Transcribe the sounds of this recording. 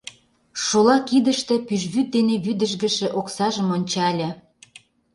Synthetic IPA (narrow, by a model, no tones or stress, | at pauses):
ʃolɑkid̪ə̆ʃt̪ĕpyʒβyt̪̚d̪eneβyd̪ə̆ʃ̬ɡə̆ʃĕʔoksɑʒə̆monʲt͡ɕɑlʲɤ̆